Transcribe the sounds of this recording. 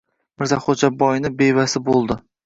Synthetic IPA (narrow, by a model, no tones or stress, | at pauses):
mɪɾzaχod͡ʒabɒjnɪbejvasɪbolˠd̪ɪ